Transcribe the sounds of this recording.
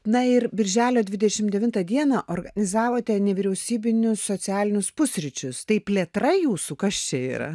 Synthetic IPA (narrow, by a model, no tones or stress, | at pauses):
nɐɪrbʲɪɾʲʒʲæːlʲoːd̪ʲʋʲɪd̪ʲɛʃʲɪmd̪ʲɛʋʲɪnt̪ɐd̪ʲiɛnɑʔoːrɡɐnʲɪzɑːʋoːt̪ʲɛnʲɛʋʲiːɾʲɛʊsʲiːbʲɪnʲʊssosʲæːlʲɪnʲʊspʊsʲɾʲɪt͡ʃʲʊst̪ɐɪpʲlʲiɛt̪ɾɐjuːsuːkɐst͡ʃʲɛḭːɾɐ̰